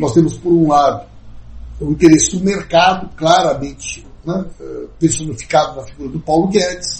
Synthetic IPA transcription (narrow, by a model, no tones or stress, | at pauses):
nɔst̪ẽmʊspoɾũlad̪ʊ | ũĩnt̪eɾesɪd̪ʊmeɾkad̪ʊklaɾɐmẽnt͡ʃɪ̥ | nɛɛpẽsõnd̪ʊfi̥kad̪ʊnɐfiɡuɾɐd̪ʊpawlʊɡɛds